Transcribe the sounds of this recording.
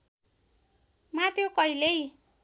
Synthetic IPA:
mat̪ʰjokʌilej

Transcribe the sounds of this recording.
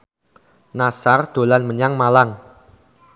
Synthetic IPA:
nasard̪̥o̤lanməɲaŋmalaŋ

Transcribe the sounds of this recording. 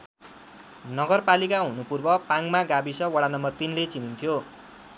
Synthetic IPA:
nʌɡʌrpalikaɦunupurbʌpaŋmaɡabisʌwʌɽanʌmbʌrt̪inlet͡sinint̪ʰjo

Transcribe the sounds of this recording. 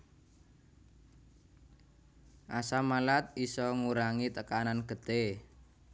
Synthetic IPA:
ʔasamalat̪̚isɔŋuɾaŋit̪əkananɡ̥ə̤d̪̥e

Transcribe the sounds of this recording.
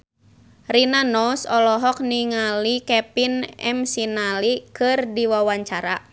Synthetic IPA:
rinanɔsɔlɔɦɔk̚niŋalikɛpinɛ̰msinalikɨrdiwawaɲt͡ʃaɾa

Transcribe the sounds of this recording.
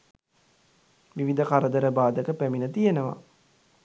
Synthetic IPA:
ʋiʋid̪əkaɾəd̪əɾəbaːd̪əkəpæminət̪ijenəʋa̰

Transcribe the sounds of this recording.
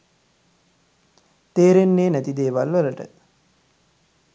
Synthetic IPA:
t̪eːɾenːeːnæt̪id̪eːʋalʋələʈə̰

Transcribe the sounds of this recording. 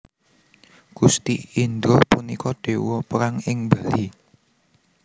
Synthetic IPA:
ɡ̥ust̪iind̪ɾɔpunikɔɖ̥e̤wɔpəɾaŋɪŋbali

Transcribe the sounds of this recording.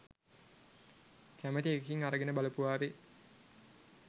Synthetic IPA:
kæmət̪iekiŋaɾəɡenəbaləpuaːʋe

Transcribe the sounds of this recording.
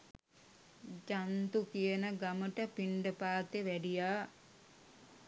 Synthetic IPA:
d͡ʒant̪ukijənəɡaməʈəpiɳɖəpaːt̪eʋæɖijaː

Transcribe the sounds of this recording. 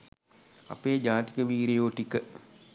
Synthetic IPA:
a̰peːd͡ʒaːt̪i̥kəʋiːɾejoːʈikə

